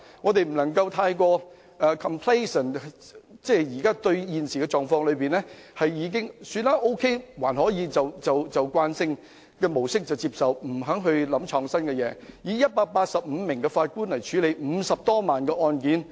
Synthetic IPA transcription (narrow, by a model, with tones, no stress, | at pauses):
ŋɔː˨˧t̪e˨jm̩˨˩nɐ˨˩ŋkɐ˧wt̪ʰaː˧jkʷɔː˧ | ɛː˨kʰɐ˨mpʰle˥sə˨˩nt͡sɛː˥˩jiː˨˩kaː˥t̪ɵ˧ɥjiː˨nsiː˨kɛ˧t͡ʃɔː˨˩ŋfɔː˧ŋlɵ˨˧ɥpiː˨nlɛː˥hɐ˨jjiː˨˧k̬ɪ˥ŋsyː˧nlaː˥ʔo˥wkʰe˥jwaː˨˩nhɔː˨˥jiː˨˧t͡sɐ˨wt͡sɐ˨wt͡sɐ˨wkwaː˧nsɪ˧ŋ | kɛ˧mo˨˩wsɪ˥k̚t͡sɐ˨˩wt͡siː˧p̚sɐ˨wm̩˨˩ɦœ˨˥ŋɦɵ˧ɥlɐ˨˥mt͡ʃʰɔː˧ŋsɐ˥nkɛ˧jɛː˨˧˥jiː˨˥jɐ˥t̚paː˧k̚paː˧t̚sɐ˨p̚m̩˨˧mɪ˨˩ŋkɛ˧faː˧t̚kuː˥nlɐ˨˩jt͡ʃʰyː˨˥le˨˧jm̩˨˧sɐ˨p̚t̪ɔː˥maː˨˩nkɛː˧ʔɔː˧nkiː˨˥n